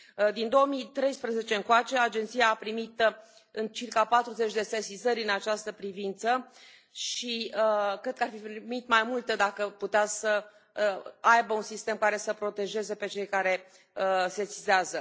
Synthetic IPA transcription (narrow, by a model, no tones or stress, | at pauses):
d̪ind̪o̞omit̪ɾe̞jspɾəze̞t͡ʃe̞ɨŋkoat͡ʃe̞ad͡ʒent̪sijaːpɾimit̪ | ɨnt͡ʃirkapat̪ɾuze̞t͡ʃʲd̪e̞sesizəɾʲɨnat͡ʃast̪əpɾivint̪sə | ʃikɾe̞d̪̚kəarfipɾimit̪majmult̪əd̪akəput̪easə | ajbəunsist̪e̞mkaɾe̞səpɾo̞t̪e̞ʒe̞ze̞pe̞t͡ʃe̞jkaɾe̞ | sesizeazə